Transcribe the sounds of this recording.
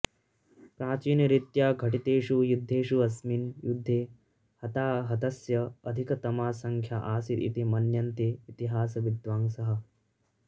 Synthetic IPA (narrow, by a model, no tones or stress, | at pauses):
pɾaːt͡ʃiːnjɐɾit̪jaːɡʱɐʈit̪eːʃujud̪ʱːeːʃuɐsminjud̪ʱːeː | hɐt̪aːɦɐd̪ɐsjɐɐd̪ʱikɐt̪ɐmaːsɐŋkʰjaʔaːsiḭt̪imɐnjɐnt̪eːt̪iɦaːsɐʋid̪ʋaːŋsɐɦɐ̆